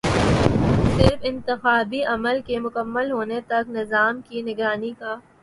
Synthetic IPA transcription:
sɪɾfɪ̃nt̪ɪxaːbiɐməlkemʊkəmːəlɦoːnet̪ɐknɪzaːmkinɪɡɾaːnikaː

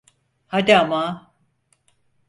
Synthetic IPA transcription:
had̪iama

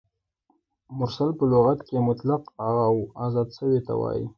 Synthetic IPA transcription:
mʊɾsalpəloɣat̪kemʊt̪laqhaɣawɑzɑd̪ʃəwet̪a̰wɑ̰jḭ

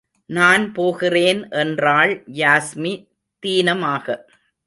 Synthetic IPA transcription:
naːnpoːɣɪreːnʔɛndraːɭjaːsmi | t̪iːnɐmaːɣɐ

